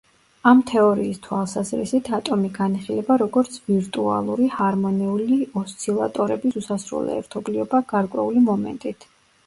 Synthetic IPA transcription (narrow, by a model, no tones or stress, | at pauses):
amt̪ʰɛɔɾiːst̪ʰwalˠsazɾḭsit̪ʰat̪ʼɔmiɡaniχilɛbaɾɔɡɔɾt̪sʰviɾt̪ʼua̰lˠuɾihaɾmɔnɛuliɔst̪sʰilˠa̰t̪ʼɔɾɛbisusasɾṵlˠɛ̰ɛ̰ɾt̪ʰɔbliɔbaɡ̥aɾkʼwɛ̰ulimɔmɛ̰nt̪ʼit̪ʰ